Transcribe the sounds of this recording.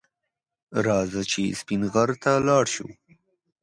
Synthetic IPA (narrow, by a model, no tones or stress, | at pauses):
ɾɑzət͡ʃispinɣaɾt̪alɑɽʃṵ